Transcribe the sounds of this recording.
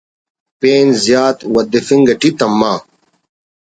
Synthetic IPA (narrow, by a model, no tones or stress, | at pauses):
peːnzjaːt̪wɐd̪efiŋɡɐʈit̪ɐmːaː